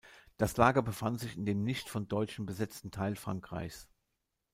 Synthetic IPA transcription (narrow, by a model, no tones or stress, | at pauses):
d̥aslaːɡɐbəfantz̥ɪçɪndeːmnɪçtfɔndɔʏt͡ʃn̩bəzɛt͡stn̩tʰaɪlfʁ̥a̰ŋkʁ̥a̰ɪçs